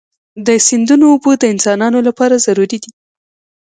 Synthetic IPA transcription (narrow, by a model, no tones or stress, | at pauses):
d̪əsɪnd̪unoːbod̪əɪnsɑnɑnolapɑɾazaɾuɾid̪i